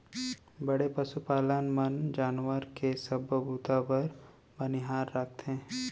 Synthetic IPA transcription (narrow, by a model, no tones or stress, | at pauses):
bɐɽepɐsupaːlənmənd͡ʒaːnʋəɾkesɐbəbuːt̪apəɾ | bənɪɦaːɾːək̚ʰt̪ẽː